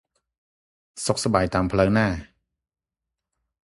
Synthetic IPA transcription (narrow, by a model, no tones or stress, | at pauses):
sok̚sabaːjt̪aːmpʰlɤːŋnaː